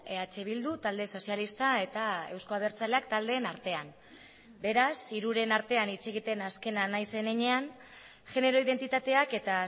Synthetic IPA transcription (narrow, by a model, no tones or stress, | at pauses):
eat͡ʃe̞β̞ild̪ut̪ald̪e̞so̞sialist̪ae̞t̪ae̞wsko̞aβe̞ɾt͡sale̞akt̪ald̪e̞ːnaɾt̪e̞an | be̞ɾasiɾuɾe̞naɾt̪e̞anit͡se̞ɣ̞it̪e̞naske̞nanajse̞neɲe̞an | ʝe̞ne̞ɾo̞iðe̞nt̪it̪at̪e̞ake̞t̪a